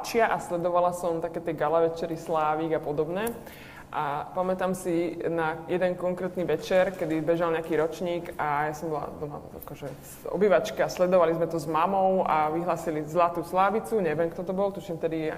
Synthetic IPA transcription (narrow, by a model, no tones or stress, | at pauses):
t͡ʃɪaʔaslɛd̪ɔʋalasɔmt̪akɛːt̪ɛɡalaʋɛt͡ʃɛɾislaːʋiːɡapɔd̪ɔbɲɛ | ʔapamɛt̪aːmsinajɛd̪ɛnkɔŋkɾɛːt̪niʋɛt͡ʃɛɾkɛd̪ibɛʒalɲɛakiːɾɔt͡ʃɲiːɡajasɔmbɔla̰d̪ɔma̰a̰kɔʒɛ | ɔ̰biːʋat͡ʃkɛaslɛd̪ɔʋalizmɛt̪ɔzmamɔʊʔaʋiɦlaːsilizlat̪uːslaːʋit͡suɲɛʋjɛmkt̪ɔt̪ɔbɔlt̪uʃɛmft̪ɛd̪i